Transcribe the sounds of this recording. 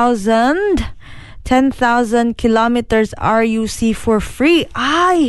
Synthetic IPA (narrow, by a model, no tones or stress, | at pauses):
ʊzə̃nd | tʰɛ̃nθaʊzə̃nd̚kʰɪlɔmitəɹza̰ɹjusifɔɹfɹiʔaɪ